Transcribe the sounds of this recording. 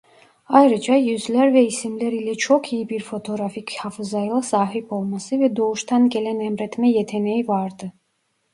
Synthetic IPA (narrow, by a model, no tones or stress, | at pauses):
ajɾɯd͡ʒajyzlʲæɾvɛisimlʲæɾilʲɛt͡ʃʰo̞kʰijibiɾfo̞t̪ʰo̞ɾafichafɯzajɯlˠasaːɦipo̞lˠmasɯvɛd̪o̞uʃt̪ʰɑnɟelʲænɛmɾɛt̪mɛjet̪ʰenejivaɾd̪ɯ